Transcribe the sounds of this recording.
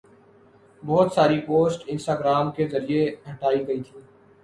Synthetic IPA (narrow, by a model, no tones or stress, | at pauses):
bɔːt̪saːɾipoːsʈɪ̃nsʈaːɡɾaːmkezɐɾieɦɐʈaːiɡɐit̪ʰĩː